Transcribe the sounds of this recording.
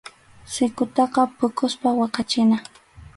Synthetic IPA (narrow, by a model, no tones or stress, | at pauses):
sɪkʊt̪ɑqɑpʊkʊspawɑqɑt͡ʃɪna